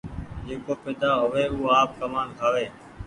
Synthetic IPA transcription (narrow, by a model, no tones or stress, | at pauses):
d͡ʒeːkoːpeːd̪aːɦʊʋeːuːaːp̚kəmaːnkʰaːʋeː